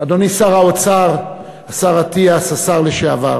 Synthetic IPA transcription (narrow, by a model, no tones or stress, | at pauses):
ad̪onisaʁaot͡saʁ | asaʁat̪iasasaʁleʃeava